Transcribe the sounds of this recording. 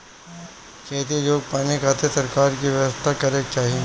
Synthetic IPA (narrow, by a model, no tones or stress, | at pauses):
kʰɛːt̪iloːɡ̚paːnekʰaːt̪esɐɾkaːɾkiʋjɐʋəst̪ʰakɐɾek̚t͡ʃaːɦiẽ